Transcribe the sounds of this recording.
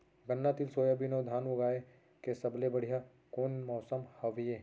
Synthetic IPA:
ɡɐnːat̪ɪlsoːjabʱinɐd̪ʱaːnoɡaːe | kesɐblebɐɽ̤ija | koːnmɔːsəmhɐʋieː

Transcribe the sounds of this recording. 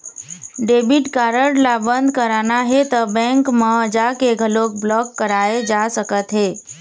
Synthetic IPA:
ɖeːbiʈkaːɾəɽlabə̃nd̪ʱkəɾanaɦet̪əbɛ̃ŋkməəd͡ʒakeɡʱəlok̚blɔːkːəɾaed͡ʒasəkət̪ɦeː

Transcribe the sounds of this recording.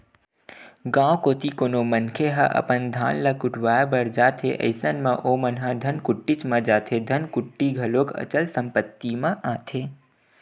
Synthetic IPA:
ɡãːwkot̪ikoːnomənkʰeɦə̰ʔə̰pənd̪ʱãːnlakuʈʰʋajbəɾd͡ʒaːt̪ʰḛʔə̰ɪsənmã̰ʔomənɦəd̪ʱənkuʈːit͡ʃmə̃d͡ʒat̪ʰed̪ʱənkʊʈːiɡʱəlokə̰t͡ʃəlsəmpət̪ːimãʔãt̪ʰe

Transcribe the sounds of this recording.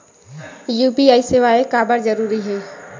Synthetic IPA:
juːpiaːiseːʋaːekaːbəɾd͡ʒəɾuːɾiɦɛː

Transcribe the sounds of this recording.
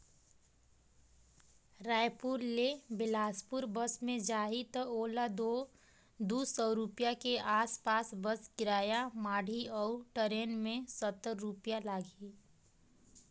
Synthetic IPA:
ɾaːjpuɾlebɪlaːspʊɾbəsmẽd͡ʒaːɦit̪əoːlad̪o | d̪uːsɔːɾupjakeʔaːspaːsbəskɪɾaːjamaːɖʱiɔːʈəɾeːnmẽsət̪ːəɾːupjalaːɡi

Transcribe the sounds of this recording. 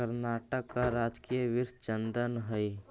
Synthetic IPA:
əɾnaːʈəkːaɾaːd͡ʒkijəʋɪɾʃt͡ʃə̃nd̪ənɦəi

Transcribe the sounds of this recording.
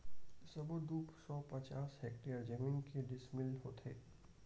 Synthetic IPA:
sɐbod̪uːpsɔːpɐt͡ʃaːsɛːk̚ʈejəɾd͡ʒəmĩːnkeɖɪsmɪlɦoːt̪ʰḛː

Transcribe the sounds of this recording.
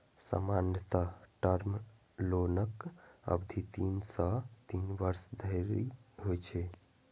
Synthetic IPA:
sə̰manjət̪aʈəɾm | lonəkə̰bd̪ʱit̪insə̃t̪inbəɾsd̪ʱəɪɾiɦojt͡ʃʰɛ

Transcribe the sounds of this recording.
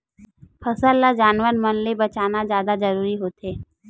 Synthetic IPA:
pʰəsəlːad͡ʒaːnʋəɾmənlebɐt͡ʃaːnazjaːd̪azɐɾuːɾiɦoːt̪eː

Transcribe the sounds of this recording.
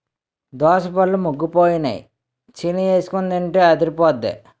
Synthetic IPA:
d̪ɔːsɐpɐlːumuɡːupoːjinɐ̰j̰ | t͡ʃinieːsu̥kund̪ɐɳʈeːɐd̪iɾipɔːd̪ːḛ

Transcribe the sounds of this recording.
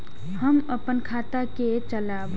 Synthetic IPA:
həməpənkʰat̪ake | t͡ʃəlab

